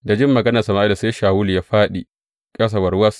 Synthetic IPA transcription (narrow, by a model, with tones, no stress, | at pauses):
da˨d͡ʒɪ˦mːɐ˨ɡɐ˦nɐ˨sɐ˨maː˨ʔi˦la˨seː˦ʃaː˨wʊ˦lja˦ɸaː˦ɗi˨ | kʼɐ˦s̬a˨wɐ˨rwɐ˦s